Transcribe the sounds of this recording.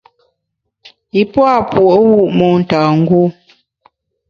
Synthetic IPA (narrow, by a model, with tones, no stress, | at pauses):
i˦pwa˦˨pwo˨ʔwu˦˨ʔmɔ˨n̩˨taː˨ŋ̩˦ɡo˦